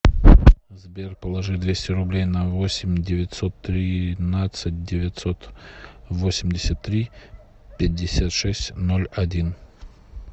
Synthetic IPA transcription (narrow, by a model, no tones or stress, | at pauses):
zbʲerpəlˠɐʐɨd̪vʲesʲtʲɪɾʊblʲejnɐvosʲɪmʲdʲɪvʲɪt̪ʲsot̪ːɾʲɪnat̪sɨt̚ʲdʲɪvʲɪt̪ʲsot̪ | vosʲɪmʲdʲɪsʲət̪ːɾʲi | pʲɪd̚ʲːɪsʲat̪ʂɛsʲtʲnolʲɐdʲin